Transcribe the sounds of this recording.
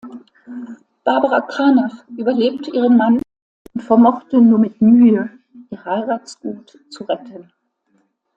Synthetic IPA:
b̥aɐbəʁakʰaːnɔfʔyːbɐleːp̚təʔiːʁ̞ənman | ʔʊntfɛɐmɔχtənuːɐmɪtmyːə | ʔiːɐhaɪʁaːtsɡ̥uːt | t͡suʁɛtʰən

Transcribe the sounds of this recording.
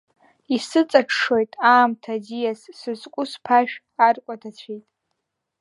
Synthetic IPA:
isɨt͡sʼaʈ͡ʂʰʂojtʼaːmtʰazijasːɨzʼkʷʼʊspʰaʃᶣ | arkʷʼatʰat͡ɕʷʰejtʼ

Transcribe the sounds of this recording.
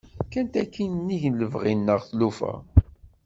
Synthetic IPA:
kænt̪ækːinnːiʝnləvʁinːəʁθlufæ̰

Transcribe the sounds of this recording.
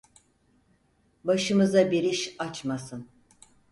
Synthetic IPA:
baʃɯmɯzabiɾiʃat͡ʃmasɯn

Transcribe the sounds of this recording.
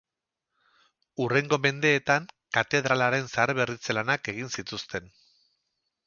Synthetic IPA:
ure̞ŋɡo̞me̞nd̪e̞ːt̪aŋkat̪e̞ðɾalaɾe̞nsaɾβe̞rit͡selanake̞ɣ̞insit̪ust̪e̞n

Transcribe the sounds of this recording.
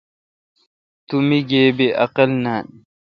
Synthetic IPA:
t̪umiɡeːbeʔɐ̰qɐlnan

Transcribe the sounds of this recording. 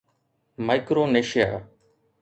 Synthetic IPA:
maɪkɾoːneːʃɪja̰ː

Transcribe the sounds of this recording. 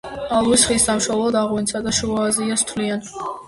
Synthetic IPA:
alˠuisχisamʃɔlˠɔd̪aʁwint̪sʰad̪aʃuaːziast̪ʰlian

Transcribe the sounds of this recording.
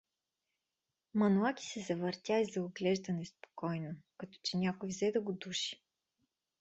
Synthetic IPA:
mɐnuakʲi̥sɛzɐvəɾt̪ʲjaizɐoɡlɛʒd̪ɐnɛspo̥kɔjnokɐt̪ɔ̥t͡ʃɛnʲakʊjvzɛd̪ɐɡʊd̪uʃi̥

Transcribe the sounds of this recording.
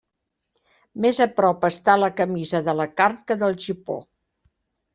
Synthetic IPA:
mezəpɾɔpəst̪aləkəmizəðələkarkəðəlˠʒipo̰

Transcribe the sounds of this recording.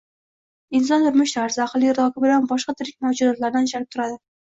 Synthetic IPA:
ɪnsɒnt̪ʰʊɾmɪʃt̪ʰaɾzɪaqlˠiɾd̪ɒkʰʲɪbɪlanbɒʃqɑt̪ʰɪɾɪkʲmad͡ʒuzɒt̪laɾd̪anɪʃalɪp̚t̪ʰʊɾad̪ɪ

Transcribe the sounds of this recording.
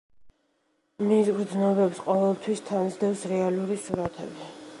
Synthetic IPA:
misɡɾd̪znɔbɛpsqʼɔvɛlˠt̪ʰwist̪ʰanzd̪ɛfsɾɛaluɾisuɾat̪ʰɛ̰bi

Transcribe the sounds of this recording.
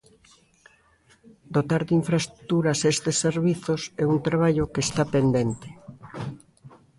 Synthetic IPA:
d̪ot̪aɾðiɱfɾaest̪ɾu̥t̪uɾasest̪esːeɾβiθosɛunt̪ɾaβ̞aʎokest̪apend̪ent̪e̥

